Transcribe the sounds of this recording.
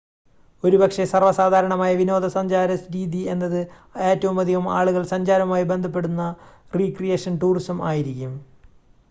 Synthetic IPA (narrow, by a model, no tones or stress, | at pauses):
o̞ɾubɐkʂe̞sɐrʋɐsaːd̪ʱaːɾɐɳɐmaːjɐʋino̞ːd̪ʱɐsɐɲd͡ʑaːɾɐsɾiːd̪ie̞nːɐðɨ | e̞ːtːɐʋumɐd̪ʱiɣɐma̰ːɭuɣɐɭsɐɲd͡ʑaːɾɐmaːjibe̞nd̪ʱɐp̬ːe̞ɽunːɐriːkrijeːʂɐnʈuːrisɐmaːjiɾikʲːum